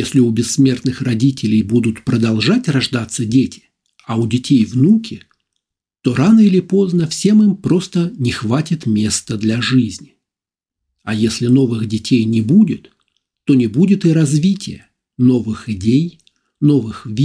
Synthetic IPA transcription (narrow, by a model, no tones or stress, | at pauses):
jesʲlʲɪʊbʲɪsːmʲe̞rt̪nɨxrɐdʲitʲɪlʲɪjbud̪ʊt̪pɾəd̪ɐlˠʐatʲrɐʐd̪at̪sːədʲetʲɪ̥ | ɐudʲɪtʲejvnukʲɪ | t̪o̞ɾanəilʲɪpo̞znəfsʲe̞mɨmpɾo̞st̪ənʲɪxvatʲɪt̪mʲe̞st̪əd̪lʲɐʐɨzʲnʲɪ | ɐjesʲlʲɪno̞vɨxdʲɪtʲʰejnʲɪbudʲɪt̪ː | o̞nʲɪbudʲɪt̪ɨɾɐzvʲitʲɪjə | no̞vɨxɪdʲej | no̞vɨxvʲi